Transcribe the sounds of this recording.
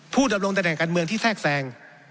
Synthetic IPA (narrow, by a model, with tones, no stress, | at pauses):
pʰuː˥˩da˧mɾo˧ŋt̪a˧nɛː˨˩ŋkaː˧nmɯ˧əŋt̪ʰiː˥˩sɛː˥˩k̚sɛː˧ŋ